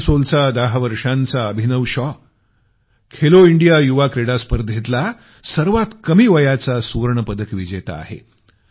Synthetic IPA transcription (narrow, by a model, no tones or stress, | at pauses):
solt͡sad̪əɦʋəɾʂãnt͡saəbʱinəʋɕɔ | kʰeloiɳɖijajuʋakɾeɽaspəɾd̪ʱet̪la | səɾʋat̪kəmiːʋəjat͡sasuɾɳəpəd̪əkʋid͡ʑet̪aa̰ɦḛ